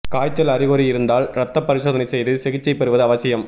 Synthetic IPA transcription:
kaːjt͡ʃːɐlɐɾɪɣoːɾijɪɾɯnd̪aːlɾɐt̪ːɐpːɐɾɪsoːðɐnɐɪsɛjðɯsɛɣɪt͡ʃːɐɪpɛɾɯʋɐðɯɐʋɐsɪjɐm

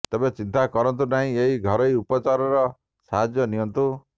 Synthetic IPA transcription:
t̪ebet͡ʃint̪akɔɾɔnt̪unaɦĩeɦiɡʱɔɾɔjupɔt͡ʃaɾɔɾɔ | saɦad͡ʒjɔniɔnt̪u

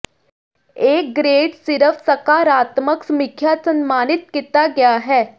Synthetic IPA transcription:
eːk̚ɡɾeːɖsɪɾəfsɐkaːɾaːt̪məksmɪkʰjaːsənmaːnit̪̚kit̪aɡjaɦɛː

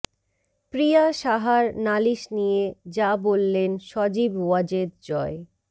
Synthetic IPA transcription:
pɾijaʃaɦaɾnaliʃnijed͡ʑabolːenʃɔd͡ʑibwad͡ʑed̪̚d͡ʑɔe

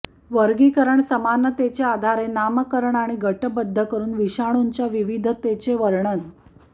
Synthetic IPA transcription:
ʋəɾɡikəɾəɳsəmanət̪et͡ɕead̪ʱaɾenaməkəɾəɳaɽ̃iɡʱəʈəbəd̪ʱːəkəɾuːnʋiɕaɽ̃uɲt͡ɕjaʋiʋid̪ʱət̪et͡ɕeʋəɾɳən

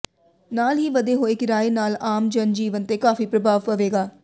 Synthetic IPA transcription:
naːlɦiːʋəd̪eːɦoːeːkɪɾaːeːnaːlaːmd͡ʒənd͡ʒiːʋənt̪eːkaːfiːpɾəbʱaːʋpəʋeːɡaː

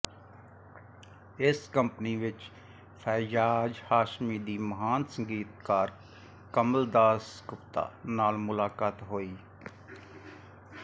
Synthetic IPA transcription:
ɪskəmpniʋɪt͡ʃ | fʰɛːjaːd͡ʒhaːʃmid̪iːməɦaːnsə̃ŋɡiːt̪̚kaːɾ | kəməld̪aːskʊpt̪a̰ːnaːlmʊlaːkaːt̪ɦoːiː

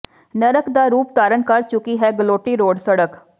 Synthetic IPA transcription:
nəɾəkd̪aːɾuːpt̪aːɾənkəɾt͡ʃʊkiːɦɛːɡəloːʈiːɾoːɖsəɽək

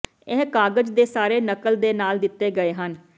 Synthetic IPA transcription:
ɛɦkaːɡəd͡ʒd̪eːsaːɾeːnəkəld̪eːnaːld̪ɪt̪ːeːɡəeːɦən

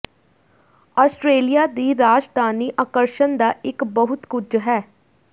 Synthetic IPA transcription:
ɔːsʈɾeːlijaːd̪iːɾaːd͡ʒd̪aːniːʔaːkəɾʃənd̪aːɪkbəɦʊt̪kʊd͡ʒɦɛː

